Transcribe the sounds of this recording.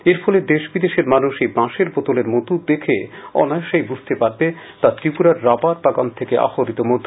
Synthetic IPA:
eɾfʰɔled̪eʃbid̪eʃeɾmanuʃejbãʃeɾbɔt̪oleɾmot̪ud̪ekʰeɔ̰naeʃejbud͡ʑʱt̪epaɾbe | t̪at̪ɾipuɾaɾːapaɾpaɡant̪ʰekeʔa̰ɦoɾit̪omod̪ʱːo

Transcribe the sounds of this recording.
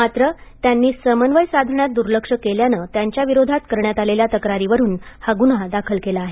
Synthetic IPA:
mat̪ɾət̪janːiːsəmənʋəjsad̪ʱəɳjat̪̚d̪uɾləkʂəkeljanəːt̪jaɲt͡ɕjaʋiɾod̪ʱat̪kəɾɳjat̪aleljat̪əkɾaɾiʋəɾuːnhaɡunad̪akʰəlkelaːɦe

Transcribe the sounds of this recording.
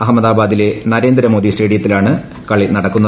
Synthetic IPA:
ɐɦɐmːɐðaːbaːd̪ile̞nɐɾe̞ːnd̪ɾɐmo̞ːd̪isʈeːɽijɐt̪ːilaːɳɨ | kɐɭinɐɽɐkːunːɐ

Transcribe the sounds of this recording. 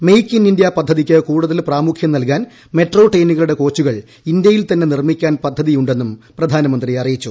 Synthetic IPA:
mejkʲːinindjɐpɐd̪ʱːɐðikʲːɨkuːɽuðɐlpraːmukʰjɐmnɐlkaːn | me̞ʈro̞ːʈejnuɣɐɭuɽe̞ko̞ːt͡ɕːuɣɐɭ | ind̪jɐjilt̪ɐnːe̞nirmikʲːaːnpɐd̪ʱːɐðijuɳɖe̞nːumprɐd̪ʱaːnɐmɐnd̪riɐrijit͡ɕːu

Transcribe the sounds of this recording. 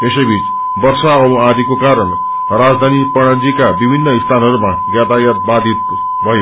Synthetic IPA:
esʌjbʱit͡s | bʌrsaʌbad̪ʱikokaɾʌɳ | rad͡zd̪ʱanipʌɽ̃ad͡zikabibʱinːʌist̪ʰanʌɾuma | ɡjat̪ajʌt̪̚bad̪ʱit̪̚ | bʱʌje

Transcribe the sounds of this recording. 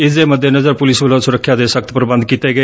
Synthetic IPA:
ɪsd̪eːməd̪ʱjenəzəɾpʊlɪsbəlõːsʊɾəkʰːjaːd̪eːsək̚t̪ʰpəɾbə̃nd̪̚kiːt̪eːɡəeː

